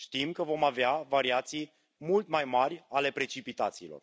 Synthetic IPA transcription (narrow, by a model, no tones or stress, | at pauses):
ʃt̪imkəvo̞maveavaɾiat̪sij | mult̪majmarʲale̞pɾe̞t͡ʃipit̪at̪siːlor